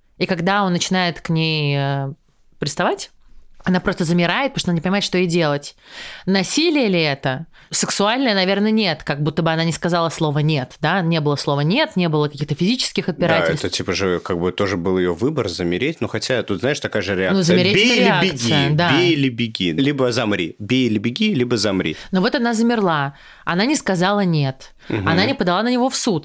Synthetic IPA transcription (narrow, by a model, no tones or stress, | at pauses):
ikaɡd̪aonːət͡ɕɪnajɪt̪knʲejə | pɾʲɪt̪st̪ɐvatʲ | ɐnapɾo̞st̪əzəmʲɪɾaɪt̪̚pəɾoʂt̪onanʲɪpənʲɪmajɪt̪ʂt̪o̞idʲe̞lˠətʲnɐsʲilʲɪjəlʲɪɛt̪əsɨksʊalʲnəjənɐvʲe̞rnəənʲe̞t̪kaɡ̚but̪ːəbɨɐnanʲɪskɐzalˠəslˠo̞vənʲe̞t̪d̪anʲe̞bɨlˠəslˠo̞vənʲet̪nʲe̞bɨlˠəkɐkʲixt̪əfʲɪzʲit͡ɕɪ̥skʲɪxɐd̪̚bʲɪɾatɪlɛlst̪ətʲipəʐɨkaɡ̚bɨt̪o̞ʐɨbɨlˠjɪjovɨbərzəmʲɪɾʲetʲnuxɐtʲat̪ut̪zaɪʂt̪ɐkajəʐɨɾʲɪanuzəmʲɪɾʲeɾʲɪakʲɪkɡ̪sʲɨjəd̪abelʲɪbʲɪɡʲilʲibəzamɾʲḭbʲeɪlʲɪbʲɪɡʲilʲibəzɐmɾʲḭnovo̞t̪ɐnazəmʲɪrlˠa | ɐnanʲɪskɐzalˠənʲe̞t̪ | ɐnanʲɪpəd̪ɐlˠanənʲɪvo̞fsut̪